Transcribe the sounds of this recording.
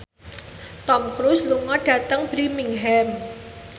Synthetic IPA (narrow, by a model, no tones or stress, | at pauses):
t̪ɔmkɾusluŋɔɖ̥ä̤t̪əŋb̥ɾimiŋɦɛm